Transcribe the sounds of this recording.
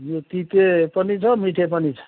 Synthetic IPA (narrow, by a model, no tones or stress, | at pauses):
jot̪it̪epʌnit͡sʰʌmiʈʰepʌnit͡sʰʌ̥